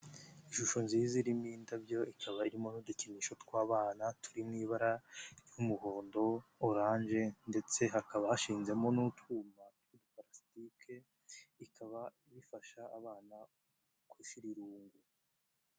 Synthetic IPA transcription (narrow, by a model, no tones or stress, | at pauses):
iʃuʃo̞nziziɾimiːndabɟo̞ikʰaβaiɾimo̞nuducimiʃo̞tkwaːβaːnatʰu̥ɾimŋiːβaɾajumuɦo̞ːndo̞ːɾaːnʒe̞nde̞t͡se̞ɦakaβahaʃiːnze̞mo̞nutuːmatwidupaɾasitikʰe̞ | ikʰaβaiβifaʃaːβaːna | kwiʃiɾiɾuːŋɡu